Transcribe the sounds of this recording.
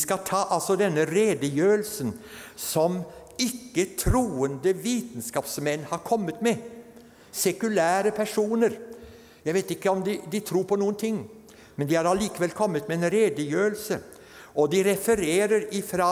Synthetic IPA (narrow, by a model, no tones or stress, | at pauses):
skɑt̪ʰɑːʔɑlsɔd̪ɛnːəɾeːd̪əjøːlsənsɔm | ɪkːət̪ʰɾuːənd̪əʋiːt̪nskɑːpsmɛnːhɑɾkʰɔmːət̪mɛ | sɛkʉlæːɾəpʰæʂuːnəɾ | jæɪʋeːt̪ɪkːəɔmd̪ɪd̪ɪt̪ʰɾuːɾpʰɔnuːənt̪ʰɪŋː | mɛnd̪ɪhɑɾɑliːkəʋɛlkʰɔmːət̪mɛenɾeːd̪əjøːəlsə | ɔd̪ɪɾɛfəɾeːɾəɾɪfɾɑ